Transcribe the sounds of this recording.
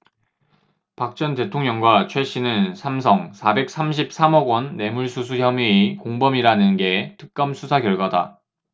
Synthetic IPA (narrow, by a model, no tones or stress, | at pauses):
pak̚t͡ɕ͈ʌnte̞tʰoŋɲʌŋɡwat͡ɕʰwe̞ɕ͈inɯnsʰamsʰʌŋsʰabe̞k̚s͈amɕʰip̚s͈amʌɡwʌnːe̞muɭsʰusʰuçjʌmiikoŋbʌmiɾanɯnɡe̞tɯk̚k͈ʌmsʰusʰakjʌɭɡwada̰